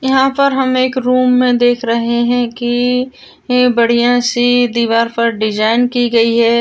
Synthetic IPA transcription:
jɐɦãpɐɾɦɐmeːkɾuːmːẽd̪eːkʰɾɐɦeɦɛ̃ki | bɐɽ̤ijãsid̪iːʋaːɾpɐɾɖɪd͡ʒaːɪnkiɡɐiɦɛː

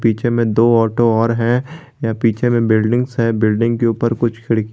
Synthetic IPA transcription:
piːt͡ʃʰẽmẽd̪oːɔːʈoɔːɾɦɛ̃ | japiːt͡ʃʰẽmẽbɪlɖɪ̃ŋɡsɦɛ̃bɪlɖɪ̃ŋɡkeuːpəɾkʊt͡ʃʰkʰɪɽk

